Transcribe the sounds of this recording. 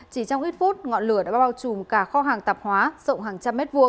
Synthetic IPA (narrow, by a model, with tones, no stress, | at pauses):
t͡ɕi˧˩t͡ɕɔ˧wŋ͡mʔi˦˥t̚fu˦˥t̚ŋɔ̰˧˨nlɨ˧˩əɗa̰ː˧˥ɓɓaː˧wt͡ɕu˨˩mkaː˧˩xɔ˧ɦaː˨˩ŋt̪a˨˩p̚hwaː˨˦z̥ə̰˧˨wŋ͡mɦaː˨˩ŋt͡ɕa˧mːɛ˦˥t̚vu˧ə